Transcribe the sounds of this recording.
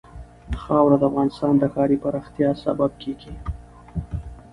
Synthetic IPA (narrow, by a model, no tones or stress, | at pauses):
xɑwɾad̪əafɣɑnɪst̪ɑnd̪əkɑɾipaɾɑxt̪jɑsa̰bab̚kʰeɡi